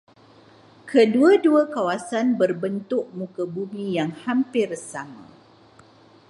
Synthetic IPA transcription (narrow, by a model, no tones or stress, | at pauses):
kʰəduaduakawasanbərbənt̪ʊʔ̚mũkabumĩjaŋhampɪrsama̰